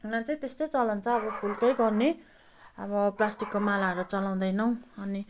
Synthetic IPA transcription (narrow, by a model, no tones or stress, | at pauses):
unat͡saĩt̪est̪ʌjt͡sʌlʌnt͡sʰʌːβʌpʰulkʌjɡʌrne | ʌβʌplasʈikːomalaʌɾot͡sʌlaw̃d̪ʌjnʌw̃ʌni